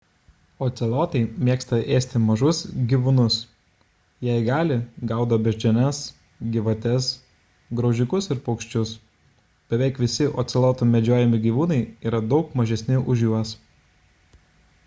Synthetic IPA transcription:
oːt̪sʲɛlˠoːt̪ɐɪmʲiɛkst̪ɐʔeːsʲt̪ʲɪmɐʒʊsɡʲiːʋʊnʊs | jæˑɪɡɑːlʲɪɡɑˑʊd̪ɐbʲɛʒʲd͡ʒʲɛnʲɛs | ɡʲɪʋɐt̪ʲɛs | ɡɾɔʊʒʲɪkʊsɪɾpɔʊkʃʲt͡ʃʲʊs | b̥ʲɛʋʲɛɪkʋʲɪsʲɪʔoːt̪sʲɛlˠoːt̪uːmʲɛd͡ʒʲoːjɛmʲɪɡʲiːʋuːnɐɪiːɾɐd̪ɒʊkmɐʒʲɛsʲnʲɪʔʊʒʲjuɔs

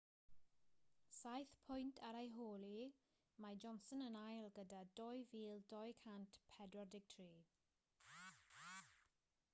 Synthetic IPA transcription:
sajθpʰʊjntʰaɾajɦoːlˠi | mad͡ʒɔnsɔnənajlˠɡədadɔjviːlˠdɔjkʰantpʰɛdwɔrdɪɡ̚tʰriː

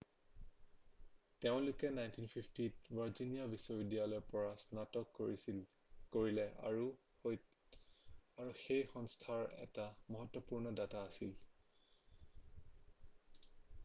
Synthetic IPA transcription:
teʊ̃lʊkɛnajntinpʰipʰtit̚vaɹzinijabisɔbidialɔɹpɔɹasnatɔkːoɹi | koɹilɛɹu | oj | aɹuxejxɔŋstʰaɹɛ̰tamɔɦɔtːɔpuɹnɔdataːsil

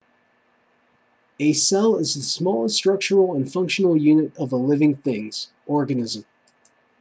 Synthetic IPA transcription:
ɨsɛlˠɪzðəsmɔlˠəstɹ̥ʌk̚t͡ʃə˞l̩ˠə̃nfʌ̃ŋkʃnl̩ˠjʉnɨɾʌvəlɪvɪ̃ŋθɪ̃ŋz̥ | ʔɔɹɡɨnɪzə̃m

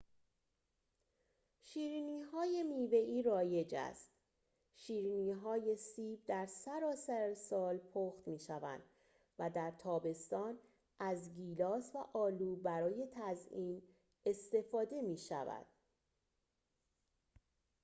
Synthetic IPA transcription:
ʃiːɾiːniɦɒːje̞miːve̞iːɾɒːje̞d͡ʒæ̰st̪ | ʃiːɾiːniːɦɒːje̞siːb̚d̪æɾsæɾɒːsæɾesɒːlpʰoːxt̪miːʃævæ̰nd̪̥ | væd̪æɾt̪ʰɒːbe̞st̪ɒːn | ʔæzɡiːlɒːsvæʔɒːluːbæɾɒːje̞t̪ʰæziːm | e̞st̪e̞fɒːd̪e̞miːʃæ̰væ̰d̪̥̚

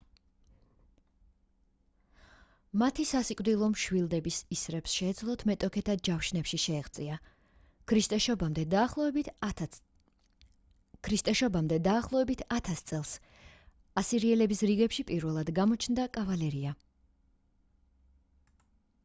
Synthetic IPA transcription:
mat̪ʰisasikʼvd̪ilˠɔmʃwilˠd̪ɛbisisɾɛpsʃɛːd̪zlˠɔt̪ʰmɛt̪ʼɔkʰɛt̪ʰad͡ʒafʃnɛpʃiʃɛːʁt̪sʼia | kʰɾist̪ʼɛʃɔbamd̪ɛd̪aːχlˠɔvɛbit̪ | kʰɾist̪ʼɛʃɔbamd̪ɛd̪aːχlˠɔvɛbit̪ʰat̪ʰast̪sʼɛlˠs | asiɾiɛlɛbisɾiɡɛpʃipʼiɾvɛlˠad̪ɡamɔt͡ʃʰnd̪akʼavalɛɾia

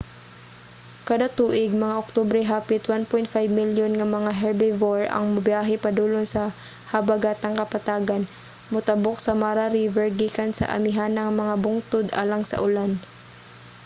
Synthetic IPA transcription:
kɐd̪at̪uːʔɪɡ̚mɐŋaʔok̚t̪obɾɛɦaːpɪt̪wanpojnt̪̚fajbmiljonŋɐmɐŋaɦɛɹbɛvoɹɐ̰ŋmɐbjaːɦɛpɐd̪uːlonsɐ | hɐbɐɡaːt̪ɐŋkɐpɐt̪aːɡɐn | mʊt̪ɐbok̚sɐmaɾaɾiːvɛɹɡikansɐ̰ʔɐ̰mɪɦanɐŋmɐŋabʊŋt̪ʊd̪ʔa̰ːlɐŋsɐ̰ʔʊlan

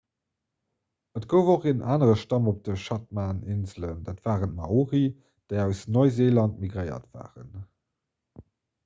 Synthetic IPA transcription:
ətɡ̥oʊvoχeːnʔaːnəʁəʃtɑmop̚d̥əʃɑt̚maːnɪnzələnd̥aːtv̥aːʁəntmɑuʁi | d̥eɪæʊsnoɪzeːlɑntmiɡʁəɪɐ̰tv̥a̰ːʁə̰n

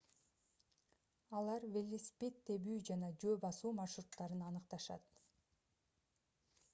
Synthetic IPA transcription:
ɑlˠɑɾvelʲisʲpʲet̪ːe̞βyːd͡ʒɑnɑd͡ʒøːbɑsuːmɑʃɾut̪ːɑɾɯnɑnɯq̚t̪ɑʃɑ̰t̪

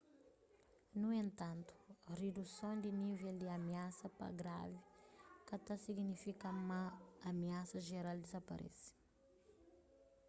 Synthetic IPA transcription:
nuẽnt̪ɐ̃nt̪u̥ɐred̪usõwd̪iniveld̪iɐmiasɐpɐ̰ɡɾa̰vikɐt̪ɐsiɡnifikɐmɐɐmiasɐʒeɾald̪izɐpɐ̰ɾʔɛ̰si̥

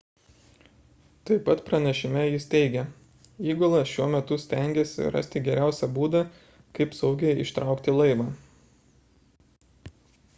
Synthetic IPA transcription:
t̪ɐɪpɐt̪pɾɐnʲɛʃʲɪmʲɛjɪst̪ʲɛɪɡʲɛ | iːɡolˠɐsʃʲuɔmʲɛt̪ʊsʲt̪ʲæŋʲɡʲesʲɪ̰ɾɐ̰sʲt̪ʲɪɡʲɛɾʲæˑʊsʲɛbuːd̪ɐ | kɐɪpsɐʊɡʲɛjɪʃt̪ɾʔɑˑʊkt̪ʲɪlˠɐɪʋɑː

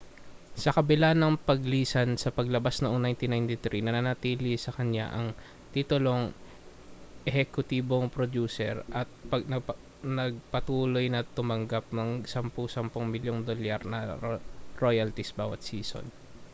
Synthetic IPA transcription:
sɐkɐbɪlanɐŋpɐɡliːsɐnsɐpɐɡlɐbasnɐʔoŋnajnt̪ɪnajnt̪ɪt̪ɾinɐnɐnɐt̪iːlisɐkɐɲa̰ʔɐŋ | t̪it̪ʊlo̞ŋ | ʔɛhɛkʊt̪iːboŋpɾod̪uːsɛ̰ɾʔɐt̪̚pɐɡ̚nɐ | nɐɡ̚pɐt̪uːlo̞jnɐt̪ʊmɐŋɡap̚nɐŋsɐmpʊsɐmpʊŋmɪljoŋd̪oljaɾnɐ | ɹojɐlt̪isbaːwɐ̰t̪̚siːso̰n

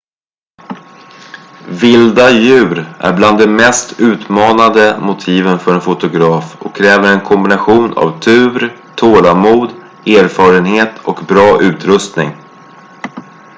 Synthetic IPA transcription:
vɪld̪ajʉ̟ːɾʔæ̰ɾbland̪ːɛmɛst̪ʰʉ̟ːt̪mɑːnad̪əmʊt̪ʰiːvənfœɾɛnfʊt̪ʊɡɾɑːfɔ̰kʰːɾɛːvəɾɛnkʰɔmbɪnaɧuːnʔa̰vt̪ʰʉ̟ːɾ | t̪ʰoːlamuːd̪ | eːɾfɑːɾənheːt̪ʰɔkbɾɑːʔʉ̟ːt̪ɾɵst̪nɪ̰ŋ

